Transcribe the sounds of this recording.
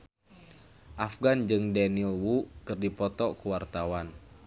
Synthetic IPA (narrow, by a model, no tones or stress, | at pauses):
ʔafɡand͡ʒɨŋdɛnilwukɨrdipɔt̪ɔkuwart̪awan